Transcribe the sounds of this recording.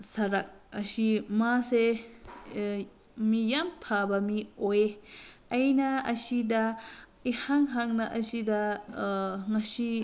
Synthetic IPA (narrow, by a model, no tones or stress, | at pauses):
sɐɾak̚ɐsimase | mijampʰabamiojeɐjnɐɐsidɐ | ihaŋɦaŋnɐʔɐsida | ŋɐsi